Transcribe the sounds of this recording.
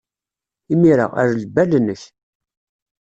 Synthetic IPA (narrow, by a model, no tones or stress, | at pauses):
imiɾə̰ʁæ̰ɾləbælnəç